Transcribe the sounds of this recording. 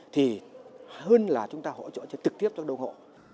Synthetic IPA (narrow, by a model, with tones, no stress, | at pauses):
t̪ʰi˨˩həː˧nlaː˨˩t͡ɕʊ˨˦ŋ͡mt̪aː˧ɦo̰˧˥˨t͡ɕo̰˧˨t͡ɕːt͡ɕɨ˨˩k̚t̪i˦˥p̚kaː˦˥kɗə˧wŋ͡mŋo̰˧˨